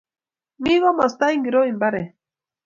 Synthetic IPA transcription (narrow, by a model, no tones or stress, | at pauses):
miɣomast̪aiŋɡiɾoimbaɾe